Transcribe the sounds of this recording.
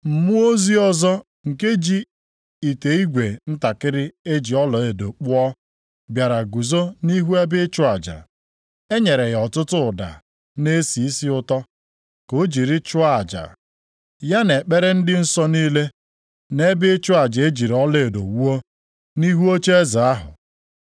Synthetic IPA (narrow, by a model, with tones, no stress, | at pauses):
m̩˨mʊ˦o˦zi˦ɔ˦zɔ˦ | ŋ̩˨ke˦d͡ʒi˦ | i˨te˨i˦ɡʷe˨n̩˦ta˨kɪ˦ɾɪ˦e˦d͡ʒi˨ɔ˦lɔ˨e˨do˨k͡pʊ˦ɔ˦ | bja˨ɾa˨ɡu˨zo˦ni˦ɦu˦e˦bɪ˦t͡ʃʊ˦a˨d͡ʒa̰˨ | e˦ɲe˨ɾe˨ɣɔ˨tʊ˦tʊ˦ʊ˨da̰˨ | ne˦si˨i˦si˦ʊ˦tɔ˦ | ko˨˦d͡ʒi˨ɾɪ˦t͡ʃʊ˦a˨d͡ʒa̰˨ | ja˦ne˨k͡pe˦ɾe˦n̩˦dɪ˦n̩˦sɔ˦niː˦le˦ | ne˦bɪ˦t͡ʃʊ˦a˨d͡ʒa˨e˦d͡ʒi˨ɾɔ˦le˨do˨wu˦o˦ | ni˦ɦu˦o˦t͡ʃe˦e˦za˨a˦ɦʊ̰˨